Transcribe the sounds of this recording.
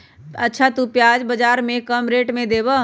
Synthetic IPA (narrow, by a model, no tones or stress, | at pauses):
ətːʃʰat̪upjaːd͡ʒbəd͡ʒaːɾmẽkəmɾeːʈmẽd̪eːbə